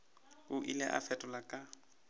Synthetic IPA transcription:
ʊʔilɛ̰ʔa̰fɛtʼɔlakʼa

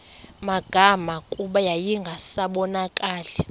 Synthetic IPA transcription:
maɡ̥ʱamakʼuɓajajiŋɡʱasaɓɔnakʼaːlɛ

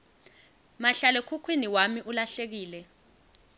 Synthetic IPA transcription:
maɬalɛkʰukʰwiniwamiʔulaɬek̬iːlɛ

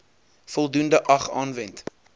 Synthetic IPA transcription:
fɔlˠdundəʔɐχɑːnvɛnt

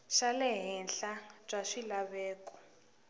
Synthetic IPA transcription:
ʃalɛɦɛnɬab͡ʐʼaʂilaβɛːkʼɔ̥

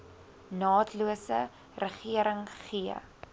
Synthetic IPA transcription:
nɑːtʰluəsə | rəχiəɾəŋχiə̰

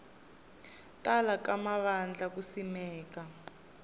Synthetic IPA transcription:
tʼalakamaβand͡ɮak̬usimɛːka

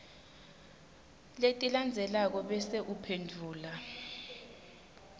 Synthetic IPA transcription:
letʼiland͡zʱɛlak̬ɔɓɛseʔupʰendʱuːla

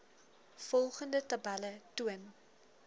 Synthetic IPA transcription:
fɔlˠχəndətɐbælətuən

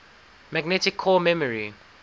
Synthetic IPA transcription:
maɡnɛtɪkʰːɔmɛməɹi

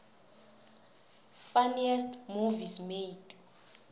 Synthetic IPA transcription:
faniɛstmuvismeitʼ

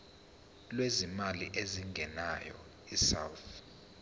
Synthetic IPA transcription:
lwezimaliʔeziŋɡʱɛnajɔ̰ | isa̰wθ

